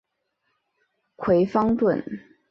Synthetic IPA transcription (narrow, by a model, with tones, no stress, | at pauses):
kʰwe˧˥ɪfɑ˥ŋt̪wə̰˥˨˩n